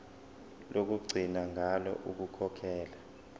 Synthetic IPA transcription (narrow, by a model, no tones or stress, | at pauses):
lok̬uɡ͡ǀʱinaŋʱalɔ̰ʔuk̬ukʰɔkʰɛːla